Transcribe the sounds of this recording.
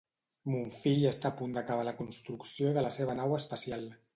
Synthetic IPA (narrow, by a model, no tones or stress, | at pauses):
muɱfiʎəst̪aːpund̪əkaβaləkunst̪ɾuksioiðələseβənawəspəsialˠ